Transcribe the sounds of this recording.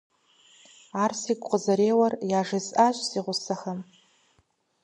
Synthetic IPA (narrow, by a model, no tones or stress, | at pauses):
arsikʷʼqʼəzɐɾeːwɐrjaːʐɐsʼaʒʷsiʁʷʊsaxam